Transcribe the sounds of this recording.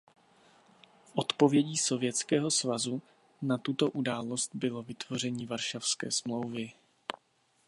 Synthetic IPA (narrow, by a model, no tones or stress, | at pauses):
fʔot̪po̞vjɛɟiːso̞vjɛt͡skɛːɦo̞svazu | nat̪ut̪o̞ʔudaːlo̞st̪bɪlo̞vɪt̪vo̞r̝ɛɲiːvaɾʃafskɛ̰ːsmlo̞wvɪ